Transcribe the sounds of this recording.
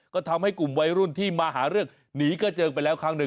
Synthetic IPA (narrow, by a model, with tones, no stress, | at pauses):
kɔː˥˩t̪ʰa˧mha˥˩jku˨˩mwa˧jɾu˥˩nt̪ʰiː˥˩maː˧ɦaː˩˦ɾɯ˥˩ək̚ | niː˩˦kaː˥˩t͡ɕɤː˧pa˧jlɛː˦˥wkʰa˦˥ŋnɯ˨˩